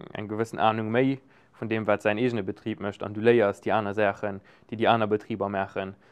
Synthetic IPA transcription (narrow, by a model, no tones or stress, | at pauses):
æ̰ŋɡəvəsənaːnuŋməɪ | fundeːmvaːtz̥æɪneːʒənəbətʁiːp̚məʃtɑ̰nduːləɪɐsd̥iːaːnɐzaːχən | d̥eɪdiːaːnɐbətʁ̥iːbɐmaːχən